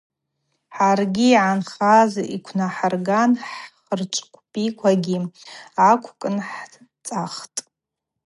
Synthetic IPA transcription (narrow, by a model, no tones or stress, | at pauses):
ħarɡʲiːʕanχazʔikʷʰnaħarɡanħχərt͡ʃʷʼkʷʰʼpʼikʷʰaɡʲiakʷʰkʼɨnħ | t͡sʼaχtʼ